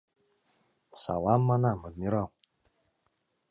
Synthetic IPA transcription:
sa̰lamːanamadmiɾaw

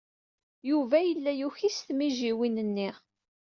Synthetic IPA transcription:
juvæjəlːæjuçisθmiʒiwinənːɪʁ

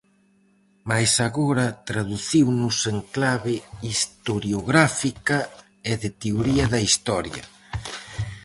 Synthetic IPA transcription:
majsaɣoɾɐt̪ɾaðuθiwnʊseŋklaβɪist̪oɾjoɣɾafikɐ | ɪðɪt̪eoɾiɐðɐist̪ɔɾjɐ̰

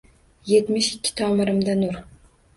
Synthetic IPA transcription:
jet̪mɪʃɪkʲːɪ̥t̪ʰɑːmɨɾɨmd̪anuɾ

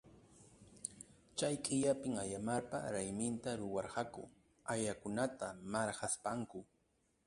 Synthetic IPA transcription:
t͡ʃajqʼɪʎapɪŋajamaɾpa̰ɾajmɪnt̪aɾʊwɑɾɢɑkʊ̰ | ajakʊnat̪amaɾhaspaŋkʊ

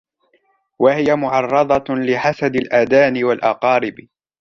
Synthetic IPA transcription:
wahɪjamʊʕɑrˤːɑd̪ˤɑlɪħasad̪ɪlʔaːd̪aːnɪwalʔɑqɑːɾɪb

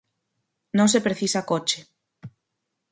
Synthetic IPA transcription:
nõŋsepɾeθisakot͡ʃe

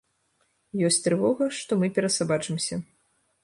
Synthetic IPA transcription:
jɔsʲt̪ɾɨvɔɣɐʂt̪ɔmɨpʲɛɾɐsabat͡ʂɨmsʲɐ

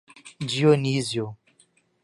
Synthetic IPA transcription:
d͡ʒionizjo

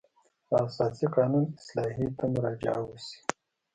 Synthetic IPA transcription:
asɑːsiqɑːnunɪslɑːɦit̪amʊɾɑd͡ʒa̰wusi̥

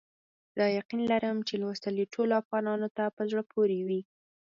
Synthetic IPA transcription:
d̪ɑjaqinlaɾəmt͡ʃelwəst̪əliʈʰoloafɣɑnɑnot̪apəzɽəpʰoɾewi

